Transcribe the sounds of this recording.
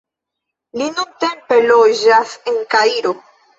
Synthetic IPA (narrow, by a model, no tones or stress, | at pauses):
linuntempe̞lod͡ʒase̞ŋkaiɾo